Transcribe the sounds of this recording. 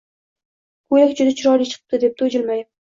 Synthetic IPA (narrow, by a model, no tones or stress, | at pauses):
kʰojakʲd͡ʒʊd̪at͡ʃʰɪɾɒɾit͡ʃʰɨ̥qʰɨ̥p̚d̪ɪd̪e̞p̚t̪ʰod͡ʒɪlmaj